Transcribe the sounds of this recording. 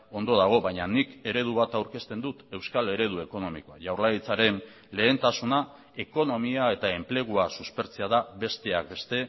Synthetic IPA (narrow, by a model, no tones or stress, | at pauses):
o̞nd̪o̞ðaɣ̞o̞βajɲanike̞ɾe̞ð̞uβat̪awɾke̞st̪e̞nd̪ut̪e̞wskale̞ɾe̞ð̞ue̞ko̞no̞miko̞aʝawɾlaɾit͡saɾe̞n | le̞ːnt̪asuna | e̞ko̞no̞miae̞t̪ae̞mple̞ɣ̞uasuspe̞ɾt͡seaðaβe̞st̪e̞ak̚be̞st̪e̞